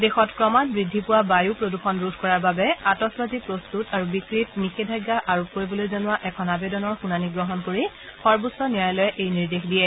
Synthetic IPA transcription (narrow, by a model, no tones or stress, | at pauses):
dexɔtkɹɔmatbɹidʱːipʊwabajupɹoduxɔnɹudʱkɔɹaɹbabɛatɔsbazipɹostutaɹubikɹitnixedʱajɡːaʔaɹup̚koɹibɔlojzanʊwaʔɛkʰɔnabedɔnɔɹxunaniɡɹɔɦɔnkoɹi | xɔɹbusɔnijajlɔjɛʔejniɹdexdijɛ